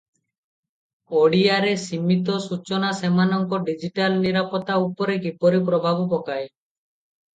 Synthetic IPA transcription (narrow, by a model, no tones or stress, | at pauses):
oɽiaɾesimit̪̬ɔsut͡ʃɔnasemanɔŋkɔɖid͡ʒiʈalniɾapɔt̪aupɔɾekipɔɾipɾɔbʱabɔpɔkaj